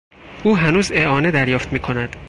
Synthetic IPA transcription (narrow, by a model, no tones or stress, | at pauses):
ʔuːɦænuːzeɒːne̞d̪æɾjɒːft̪miːkʰo̞næd̪̥